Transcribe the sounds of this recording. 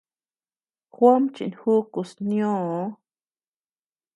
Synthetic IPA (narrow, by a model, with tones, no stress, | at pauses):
xwa˦mt͡ʃḭ˨nhu˦ku˨snjõ˦o˧˦